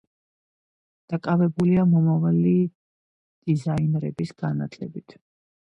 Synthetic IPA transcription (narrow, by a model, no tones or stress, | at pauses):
d̪̥akʼavɛbuliamɔmavali | d̪̥izainɾɛbisɡ̥anat̪ʰlɛbit̪ʰ